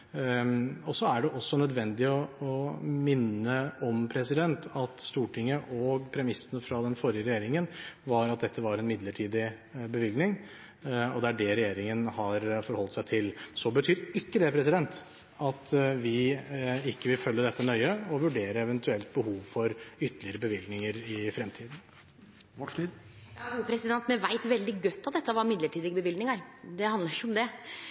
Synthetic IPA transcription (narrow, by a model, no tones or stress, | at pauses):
ɔsɔæɖɛʔɔsːɔnœd̪ʋɛnd̪ɪɔɔmɪnːəɔmpʰɾɛsɪd̪ɛnt̪ɑt̪st̪uːʈʰɪŋːəʔɔɡpʰɾɛmɪsːənəfɾɑd̪ɛnfɔɾjəɾɛjeːɾɪŋənʋɑɾɑt̪̚d̪ɛt̪ːəʋɑɾɛnmɪd̪ləʈʰiːd̪ɪ | bəʋʏlɡ̪nɪŋ | ɔd̪ɛæɖɛɾɛjeːɾɪŋənhɑɾfɔɾhɔlt̪sæɪt̪ʰɪlsɔbət̪ʰyːɾɪkːəd̪ɛpʰɾɛsɪd̪ɛnt̪ | ɑt̪ʋɪ | ɪkːəʋɪlfœlːəd̪ɛt̪ːənœʏəɔʋʉɖeːɾəɛʋənt̪ʰʉɛlt̪̚bəhuːʋfɔɾʏt̪ːəlɪəɾəbəʋɪlɡnɪŋəɾɪfɾɛmt̪ʰiːd̪n̩ | ɔi | jɑʉːpʰɾɛsɪd̪ɛnt̪mɛʋæɪt̪ʋɛld̪ɪɡœt̪ːɑt̪̚d̪ɛt̪ːəʋɑɾmɪd̪ləʈʰiːd̪ɪɡbəʋɪlɡ̪nɪŋɑɾd̪ɛhɑnd̪əɾʂəɔmd̪ɛ